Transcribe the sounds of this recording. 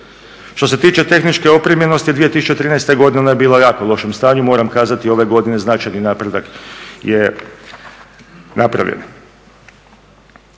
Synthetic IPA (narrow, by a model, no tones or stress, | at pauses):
ʃt̪o̞s̬e̞t̪iːt͡ʃe̞t̪e̞xnit͡ʃke̞o̞pɾimjeno̞st̪id̪ʋijet̪isu̥t͡ʃet̪ɾiːnɛjst̪eɡo̞d̪innajebiːlajaːkolˠo̞ʃemst̪aːɲumo̞ːɾamkaːzat̪io̞ʋe̞ɡo̞d̪ine̞znat͡ʃajninaːpɾe̞d̪akje | napɾa̰ʋjʎḛn